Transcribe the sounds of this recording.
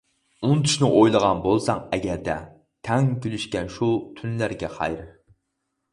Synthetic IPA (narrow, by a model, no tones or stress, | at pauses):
unt̪ʰy̥ʃnɪʔojlˠəʁɑnbolˠsɑŋɛɡʲɛɾd̪ɛ̰ | t̪ʰɛŋnkʲylyʃkʲɛnʃut̪ʰynlæɾɡʲɛχɑ̰jɾ